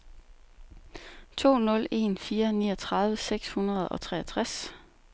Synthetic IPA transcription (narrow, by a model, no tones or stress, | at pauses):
t͡sʰo̝̰ːnɔ̽le̝̰nfiːɐnḭːɒt͡sʰʁɑ̈ðˠʋəseɡ̥shunɐð̞ˠɒ̽t͡sʰʁɛæt͡sʰʁas